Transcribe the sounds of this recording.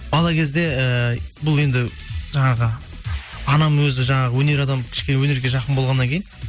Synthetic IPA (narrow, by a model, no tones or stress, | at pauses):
bɑlˠɑkʲʰezd̪e̞əbʊlˠe̞nd̪ɪ | ʒɑɴɑʁə | ɑnɑmwɵzɪʒɑɴɑʁəwɵne̞ɾɑd̪ɑmkʲʰɪ̥ʃkʲenewɵne̞ɾɡʲe̞ʒɑqənbolʁɑnːɑŋkʲʰejn